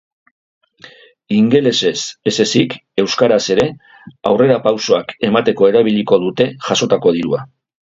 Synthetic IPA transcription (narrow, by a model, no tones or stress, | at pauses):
iŋɡe̞le̞se̞sese̞sike̞wskaɾase̞ɾe̞ | a̰wre̞ɾapawso̞ake̞mat̪e̞ko̞e̞ɾaβ̞iʎiko̞ðut̪e̞ʝaso̞t̪ako̞ð̞iɾua